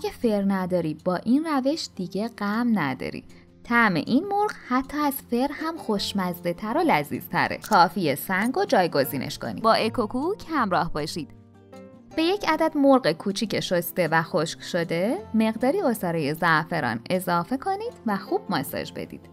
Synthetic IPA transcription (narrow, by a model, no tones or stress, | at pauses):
æɟæfe̞ɾnæd̪ɒːɾiːbɒːʔinræve̞ʃd̪̥iɟe̞ɢ̥æmnæd̪ɒ̰ːɾḭ | t̪ʰæme̞̰ʔinmoɾɢhæt̪ʰːɒːæz̥fe̞ɾhæmxo̞ʃmæzd̪e̞t̪ʰæɾolæzḭːz̥t̪ʰæ̰ɾḛkʰɒːfijesæŋɡod͡ʒɒːjɡo̞ziːnʔḛʃkʰo̞̰nḭbɒːʔekʰokʰuːcʰhæmɾɒːhbɒːʃid̪̥ | b̥e̞je̞cʰæd̪æd̪moɾɣekʰuːt͡ʃʰiːcʰeʃost̪e̞væxoʃcʃo̞d̪e̞me̞ɣd̪ɒːɾiːosɒːɾeje̞zæʔfeɾɒ̰ːne̞zɒːfe̞kʰo̞niːd̪̥væxuːb̥̚mɒsɒ̰d͡ʒbḛd̪ḭːd̪̥